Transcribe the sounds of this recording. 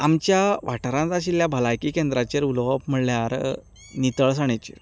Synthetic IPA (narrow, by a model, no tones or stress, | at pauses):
amt͡ɕjaʋaʈəɾãnt͡saɕ̬ilːjabʱəlajkiːkend̪ɾat͡ɕeɾulʋəpm̤əɭljaɾ | nit̪əɭs̬aɳ̃et͡ɕḭɾ